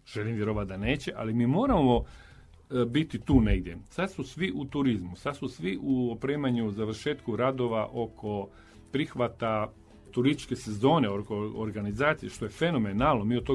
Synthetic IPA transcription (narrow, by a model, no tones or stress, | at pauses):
ʒ̥e̞limʋjeɾoʋat̪̚d̪ane̞ːt͡ɕeʔa̰limiːmo̞ːɾamo̞ | bit̪it̪uːne̞ɡd̪je̞̰sad̪susʋiʔut̪uɾizmusad̪susʋiʔuopɾeːmaɲuzaʋɾʃe̞ːt̪kuɾad̪o̞ʋaʔo̞kʰo̞ | pɾixʋat̪a | t̪uɾist̪i̥t͡ʃke̞se̞zo̞ːne̞okoo̰ɾɡanizaːt̪sijeʃt̪o̞je̞fe̞no̞menaːlˠnomiːot̪t̪o